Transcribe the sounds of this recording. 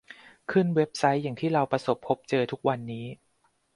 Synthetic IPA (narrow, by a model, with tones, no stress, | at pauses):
kʰɯ˥˩nwe˦˥p̚sa˦˥jːa˨˩ŋt̪ʰiː˥˩ɾa˧wpɾa˧so˨˩pʰːo˦˥p̚t͡ɕɤː˧t̪ʰu˦˥k̚wa˧nːiː˦˥